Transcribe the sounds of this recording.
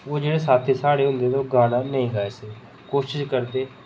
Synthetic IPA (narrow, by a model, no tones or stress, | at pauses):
ʋoːd͡ʒeːɽesaːt̪ʰːiːsaːɽeɦʊ̃nd̪eːd̪oɡaːnanəɦĩɡaːeseː | koːʃɪʃkəɾt̪eː